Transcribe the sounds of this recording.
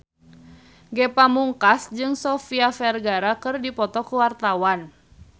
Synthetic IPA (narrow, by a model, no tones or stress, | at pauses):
ɡɛpamuŋkasd͡ʒɨŋsɔfiafɛrɡaɾakɨrdipɔt̪ɔkuwart̪awan